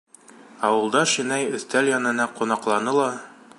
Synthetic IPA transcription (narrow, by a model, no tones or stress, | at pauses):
ɑwɤ̆lˠd̪ɑʃinæjɵ̆θt̪æljɑnɤ̆nɑqunɑqlˠɑnɤlˠɑ